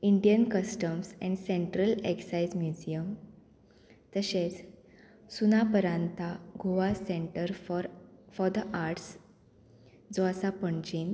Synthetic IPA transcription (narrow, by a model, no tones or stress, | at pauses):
iɳɖijənkəsʈəmsɛ̃ɳɖsẽɳʈɾəleksajd͡zmjud͡ʑijəm | t̪əɕet͡s | sunapəɾãnt̪ʰaɡʱoʋasẽɳʈəɾɾfɔɾd̪əʔaɾʈs | d͡zoəsapəɳt͡ɕiːn